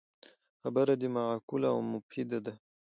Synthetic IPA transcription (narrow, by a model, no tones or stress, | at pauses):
xabaɾad̪imaʕakulaawmʊfid̪ad̪a